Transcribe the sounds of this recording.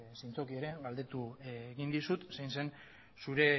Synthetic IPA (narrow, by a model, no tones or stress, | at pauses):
sint͡so̞kie̞ɾe̞ɣald̪e̞t̪ueːɣind̪isut̪sajnse̞n | suɾe̞